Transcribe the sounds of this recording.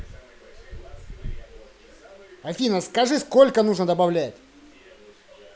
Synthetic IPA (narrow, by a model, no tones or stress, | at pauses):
ɐfʲinəskɐʐɨskolʲkənuʐnəd̪əbɐvlʲætʲ